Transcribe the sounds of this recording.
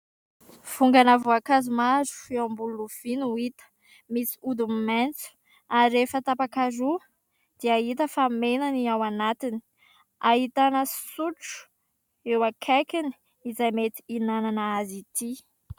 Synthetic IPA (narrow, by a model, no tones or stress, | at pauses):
v̥uŋɡanavuakazumazu̥feambuluuv̥inuit̪ə̥ | misi̥ud̪umiment͡su̥ | aɾefət̪apakaɾu | d̪̥iait̪əfamenaniawanat̪ini̥ | aɦit̪anəsuʈ͡ʂu̥ | ewakʰakini̥ | izajmet̪i̥inananəazit̪i